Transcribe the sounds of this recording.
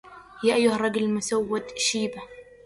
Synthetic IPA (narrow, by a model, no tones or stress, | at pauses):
jaːʔajːʊharˤːɑɡʊlmʊsawːad̪ʃiːba